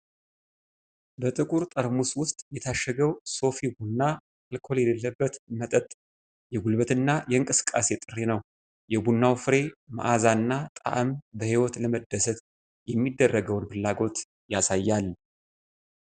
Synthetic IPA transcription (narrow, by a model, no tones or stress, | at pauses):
bət̪ʼɨkʼuɾt̪ʼəɾmuswʊst̪ʼjɛt̪ʰaʃːəɡəwso̞fibunːa | alkʰo̞ljɛləlːəbːət̪mət̪ʼət̪ʼ | jɛɡulbət̪ɨnːajɛɨŋkʼɨsɨ̥kʼːase̞t̪ʼɨrːenəw | jɛbunːawfɨɾe̞ma̰ʔazaɨnːat̪ʼa̰ʔəmbəhiwɔt̪ləməd̪ːəsət̪ | jɛmːid̪ːərːəɡəwnbɨlːaɡo̞t̪ | jasajːalː